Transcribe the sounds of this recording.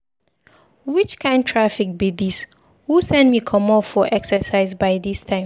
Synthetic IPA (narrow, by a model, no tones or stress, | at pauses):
wit͡ʃkʰãɪ̃ndtʰɹafik̚bidis | husɛ̃nmikʰʌ̃mɔffɔʔɛksəsaɪzbaɪðistʰãɪ̃m